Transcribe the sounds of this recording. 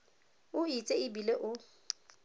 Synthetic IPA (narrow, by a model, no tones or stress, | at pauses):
ʊit͡sʼeɪbileʔʊ